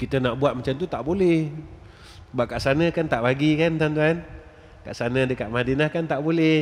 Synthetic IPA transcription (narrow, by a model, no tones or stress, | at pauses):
kit̪ənaʔbuat̪̚mat͡ʃamt̪ut̪aʔbolɛh | baʔ̚kaʔsanəkant̪aʔbaɡikant̪ant̪̬uan | kaʔsanədəkaʔ̪̚madənahkant̪aʔbolɛ